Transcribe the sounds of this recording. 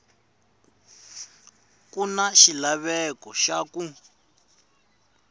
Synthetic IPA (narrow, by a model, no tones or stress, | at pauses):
kunaʃilaβɛkɔʃaku